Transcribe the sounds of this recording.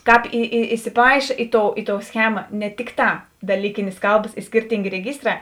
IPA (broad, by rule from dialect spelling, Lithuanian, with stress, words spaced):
ˈkɑːp ɪ ɪ ɪsʲɪˈpɐɪʃɐ ˈɪ ˌtoːʊ ˈɪ ˌtoːʊ ˈsʲxʲæːmɐ nʲɛ ˈtʲɪkˌtɑː dɐˈlʲiːkʲɪnʲeːs ˈkɐlˠbɐs ɪ ˈsʲkʲɪrʲtʲɪŋʲɡʲeː rʲɛˈɡʲɪˌstrɑː